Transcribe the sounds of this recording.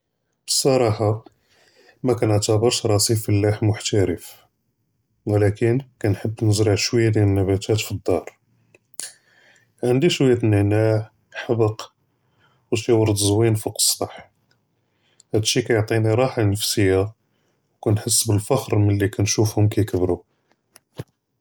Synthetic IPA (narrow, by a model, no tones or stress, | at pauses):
b̥ə̥sˤːɑɾˤɑħɑ | mækænəʕt̪æbəɾʃɾˤɑsifəlːæħmʊħt̪æɾəf | wəlækənkænħəbːnəzɾɑʕʃwəjːad̪jænəlnːæbæt̪ʰæt̪fid̪ːɑɾˤ | ʕənd̪iʃwæjːæt̪nəʕnaʕ | ħabəq | wt̪iwɑɾˤd̪zwinfiqə̥sˤt̪ˤɑħ | hæd̪əʃikæjoʕt̪ˤiniɾˤɑħanəfsəjːa | wkænħəsːbəlfɑxɾmənlːikænʃufhʊmkæjkəbɾu